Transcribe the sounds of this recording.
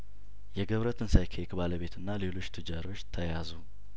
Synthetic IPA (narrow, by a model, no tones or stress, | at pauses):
jɛɡəβɾət̪ʰɨnsajkʰekbaləβe̞t̪ɨnːale̞lo̞t͡ʃːt̪ʰɨd͡ʒaɾo̞t͡ʃːt̪ʰəjazu